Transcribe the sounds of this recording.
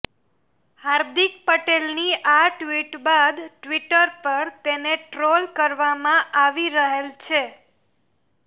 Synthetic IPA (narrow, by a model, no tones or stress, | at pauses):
haɾd̪ik̚pəʈelniʔaʈʋiʈbad̪ʈʋiʈəɾpəɾt̪eneʈɾolkəɾʋamãʔaʋiɾəɦelt͡ʃʰe